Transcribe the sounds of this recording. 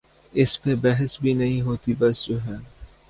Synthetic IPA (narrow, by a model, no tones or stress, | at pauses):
ɪspebɛɦəsbʱinɐɦĩɦoːt̪ibɐsd͡ʒoːɦɛː